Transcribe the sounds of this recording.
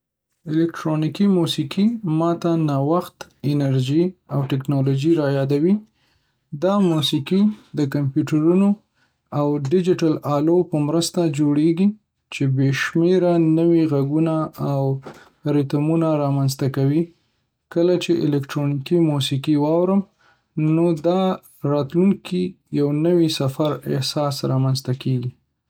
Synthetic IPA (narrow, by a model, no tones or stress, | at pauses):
ɪlɪkʈɾonikimusikimɑt̪anɑwaxt̪ɪnaɾʒiawʈɪknɑlod͡ʒiɾɑjɑd̪awi | d̪ɑmusikid̪əkampjuʈaɾuno | awɖɪd͡ʒɪʈalɑlopəmɾəst̪ad͡ʒoɽeɡi | t͡ʃebeʃmeɾanəwiɣaɡunaːw | ɾit̪amunaɾɑmanzt̪akawi | kəlat͡ʃeʔɪ̰lɛkʈɾonikimusikiwɑwɾəm | nod̪ɑ | ɾɑt̪luŋkʰi | jawnəwisafaɾɪ̰hsɑsɾɑmanzt̪akeɡi